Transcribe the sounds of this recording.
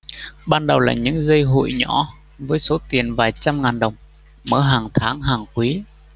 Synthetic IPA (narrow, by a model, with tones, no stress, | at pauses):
ɓaː˧nɗə˨˩wlaː˨˩ɲɨ̰˧˥ŋzə˧jɦo̰˧˨jɲɔ̰˧˥ | vəː˨˦jso˨˦t̪i˨˩ənvaː˨˩jt͡ɕa˧mŋaː˨˩nɗə˨˩wŋ͡m | məː˧˦ɦaː˨˩ŋt̪ʰaː˨˦ŋɦaː˨˩ŋkwi˨˦